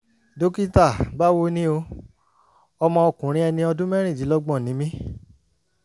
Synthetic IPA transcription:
do˦ki˦ta˦˨ba˦wo˦nĩ˦o˧ | ɔ˧mɔ̃˧ɔ˧˨kũ˨ɾ̃ĩ˧˦ɛ˧nĩ˧ɔ˧dũ˦mɛ̃˦ɾ̃ĩ˦˨d͡ʒi˨˦lɔ˦ɡ͡bɔ̃˦˨nĩ˨˦mĩ˦

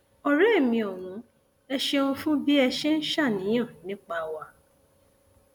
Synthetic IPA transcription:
ɔ˨ɾɛ˦e˦˨mĩ˧ɔ˨ɾ̃ũ˨˦ | ɛ˧ʃe˧ũ˧fũ˦bi˦ɛ˧ʃe˦n̩˦ʃa˦˨nĩ˨˦j̃ã˦˨nĩ˦k͡pa˧˦wa˧

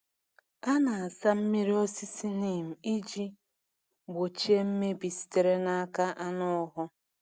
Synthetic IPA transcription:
a˦na˨a˨sa˦m̩˦mi˦ɾi˦o˦si˦si˦ni˨m̩˨i˦d͡ʒi˦ | ɡ͡bo˨t͡ʃi˦e˦m̩˦me˦bi˨si̥˨te˨ɾe˦na˦a˦ka˦ʔa˦nʊ˦ɦʊ˦

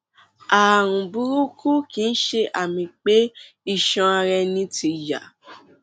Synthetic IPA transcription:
a˨ɾ̃ũ˨bu˧ɾu˦kʰu˦kĩ˦n̩˦ʃe˧ʔa˨mĩ˧k͡pe˦ | i˦˨ʃã˧a˧ɾɛ˧nĩ˧˦tʰi˧ja̰˨

